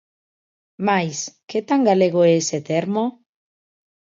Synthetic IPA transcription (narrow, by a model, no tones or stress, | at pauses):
majsket̪aŋɡaleɣoeeset̪eɾmo